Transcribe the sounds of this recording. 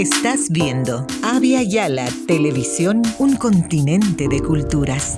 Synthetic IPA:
est̪azβjend̪o̞ | aβjaʝalat̪eleβisjo̞nuŋko̞nt̪inẽ̞nt̪eðekult̪uɾas

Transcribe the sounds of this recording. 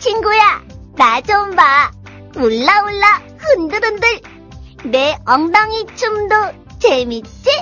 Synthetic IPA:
t͡ɕʰinɡuja | nad͡ʑomba | uɭːauɭːa | hɯndɯɾɯndɯɭ | neʌŋdaŋit͡ɕumdo | t͡ɕemit͡ɕ͈i

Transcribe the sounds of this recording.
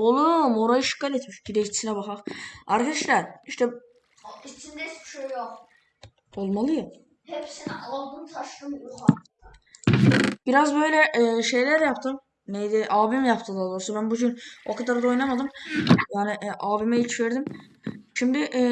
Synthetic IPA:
olˠumoɾajɯʃi̥kːaɾet̪miʃɟiɾɛct͡ʃʰi̥sinɛbaxaqaɾkʰad̪aʃlʲæɾiʃt̪ʰɛ | it͡ʃ̪ʰimd̪ɛisbʃejjok | o̞lˠmalˠɯja | hepsiniʔalˠad̪unt̪ʰaʃlˠɯmokaɯd̪a | ʃb̥iɾazbø̞jlʲɛʔʃe̞jlʲæɾjapt̪ʰɯm | nejd̪ɪʔaːbimjapt̪ʰɯd̪aːd̪o̞ːɾsubænbuɟyno̞kʰad̪aɾd̪ao̞jnamad̪ɯmjaːnɪʔʔaːbimɛilʲt͡ʃveɾd̪im | ʃimd̪ɪʔ

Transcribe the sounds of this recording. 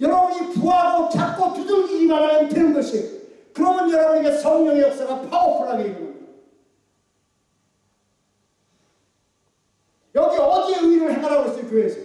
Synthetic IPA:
jʌɾʌbunipuaɡot͡ɕʰak̚k͈otudɯŋiimaɾaetenɯnɡʌɕʰi | kɯɾʌmjʌnjʌɾʌbuniɡesʌŋɲʌŋejʌk̚s͈aɡapʰaopʰuɾaɡeeɡo | jʌɡiʌdieɯiɾɯɭheŋaɾanɡʌɕʰikoesʰʌ

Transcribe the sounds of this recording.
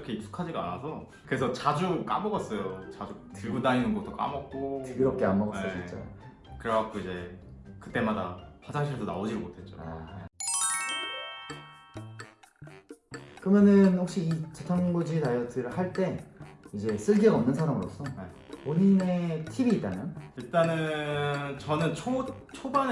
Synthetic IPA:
kʰeisʰu̥kʰad͡ʑiɡa̰ːnasʰʌ | kɯɾe̞sʰʌt͡ɕad͡ʑuk͈a̰mʌɡʌs͈ʌjot͡ɕad͡ʑu | tɯɭɡudainɯnɡʌt͈ʰːok͈a̰mʌp̚k͈otɯɡiɾʌp̚k͈e̞anmʌɡʌs͈ʌjot͡ɕʰint͡ɕ͈a̰jo̰ | kɯɾeɡak͈ʰoid͡ʑe̞kɯt͈e̞madapasʰaŋɕʰiɭdona̰od͡ʑiɾɯmotʰe̞t̚t͡ɕ͈o̰a̰ | kɯɾʌmjʌnɯnhok̚ɕ͈iit͡ɕetʰaŋɡod͡ʑitajʌtʰɯɾɯɭhaɭt͈e̞id͡ʑe̞s͈ɯɭɡiɡʌmnɯnsʰaɾamɯɾo̰s͈ʌne | oɲine̞tʰibiːt̚t͈anajoiɭt͈anɯ | t͡ɕʌnɯnt͡ɕʰo | t͡ɕʰoban

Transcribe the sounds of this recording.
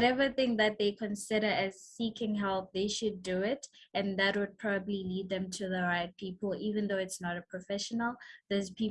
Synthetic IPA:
wɾɛvəθɪ̃ŋðɨt̪̚ðeɪkʰɔ̃nsɪɾə˞ʔɨz̥sikɪ̃ŋɦɛlˠp̚ðeɪʃuduɪtɨ̃nðɨt̚wəd̚pʰɹ̥ɔbəblilid̪̚ðɛ̃mtʰuðəɹaɪt̚pʰipəlˠivɨ̃nðoʊɪtsnɔɾəpʰɹ̥ɔfɛʃənəl̩ˠðəzpʰi

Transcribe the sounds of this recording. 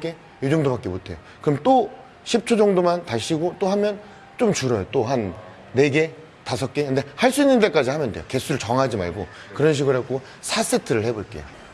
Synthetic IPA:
k͈e̞ | jud͡ʑoŋdobak͈emotʰe̞jo | kɯɾʌmt͈o | ɕʰip̚t͡ɕʰod͡ʑʌŋdomantaɭɕ͈iɡot͈oɦamjʌn | t͡ɕomt͡ɕuɾʌjot͈oɦanː | e̞ɡe̞ | tasʰʌk̚k͈ekɯnde̞haɭs͈uinːɯnde̞k͈ad͡ʑihamjʌnde̞joke̞sʰuɾɯɭt͡ɕʌŋɦad͡ʑima̰ɭɡo̰ | kɯɾʌnɕ̬ʰiɡɯɾɭek͈o | sʰas͈etʰɯɾɯɭhe̞boɭk͈ejo

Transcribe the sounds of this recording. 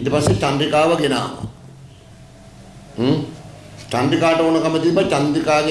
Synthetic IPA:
id̪əpasːet͡ʃandɾikaːʋəɡena̰ːʋa̰ | t͡ʃandikaːʈəoːnəkamət̪ibːat͡ʃand̪ikaːɡe

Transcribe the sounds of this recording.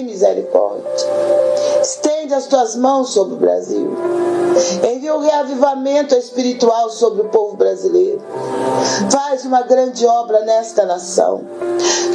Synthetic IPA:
mizeɾḭkɔ̰ɾd͡ʒɐ | ɪst̪ẽnd͡ʒɪɐst̪uɐzmɐ̃w̃sːobɾɪʊbɾa̰zḭw | ẽviʊheavivamẽnt̪ʊespiɾit̪uawsobɾɪʊpovʊbɾazilejɾʊ | fazũmɐɡɾɐ̃d͡ʒɪɔbɾɐnɛst̪ɐnasɐ̰̃w̃

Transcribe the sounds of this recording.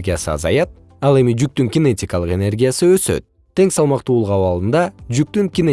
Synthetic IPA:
ɡʲijasɯɑ̰zɑ̰jɑt̪̚ | ɑlˠe̞mid͡ʒyk̚t̪yŋɡʲɪnetʲikɑlˠəqe̞ne̞rɡʲijasɯøsø̞̰t̪̚ʰːe̞ŋsɑlˠmɑqt̪uːlˠəqɑwɑlˠɯnd̪ɑd͡ʒyk̚t̪yŋkʲɪne

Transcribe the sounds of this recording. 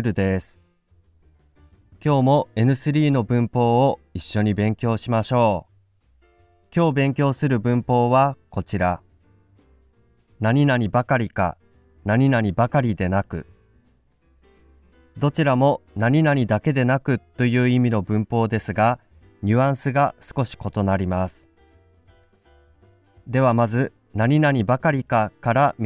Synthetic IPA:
ɾɯ̟d̪e̞sɨ̥ | kʲo̞ːmo̞e̞nɯ̟sɨɾʲiːno̞bɯ̟̃mpo̞ːiɕːo̞ɲ̟ibẽ̞ŋkʲo̞ːɕimaɕo̞ː | kʲo̞ːbẽ̞ŋkʲo̞ːsɨɾɯ̟bɯ̟̃mpo̞ːβako̞t͡ɕiɾa | naɲ̟inaɲ̟ibakaɾʲika̰ | naɲ̟inaɲ̟ibakaɾʲid̪e̞nakɯ̟̰ | d̪o̞t͡ɕiɾamo̞naɲ̟inaɲ̟id̪ake̞d̪e̞nakɯ̟t̪ːo̞jɯ̟ːimʲino̞bɯ̟̃mpo̞ːd̪e̞sɨɡa | ɲʲɨãɰ̃sɨɡasɨ̥ko̞ɕi̥ko̞t̪o̞naɾʲimasɨ̥ | d̪e̞β̞amazɨ | naɲ̟inaɲ̟ibakaɾʲikakaɾamʲ

